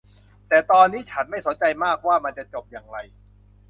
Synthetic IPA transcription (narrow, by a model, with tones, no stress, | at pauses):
t̪ɛː˨˩t̪ɔː˧nːiː˦˥˩t͡ɕʰa˦˥nma˥˩jso˩˦nt͡ɕa˧jmaː˥˩k̚waː˥˩ma˧nt͡ɕa˨˩t͡ɕo˨˩p̚jaː˨˩ŋɾa˧j